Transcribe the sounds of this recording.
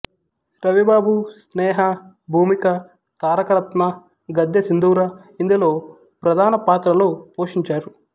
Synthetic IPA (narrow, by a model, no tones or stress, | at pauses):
ɾɐʋibaːbusnɛːɦɐ | bʱuːmikɐ | t̪aːɾɐkɐɾɐt̪mɐ | ɡɐd̪jɐsind̪uːɾɐ | ind̪ɐlo̞ː | pɾɐd̪ʱaːnɐpaːt̪ɾɐloːpo̞ːʂiɲt͡ʃaːɾu